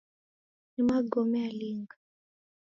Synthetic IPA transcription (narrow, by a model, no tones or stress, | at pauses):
nimaɡɔmɛaliŋɡa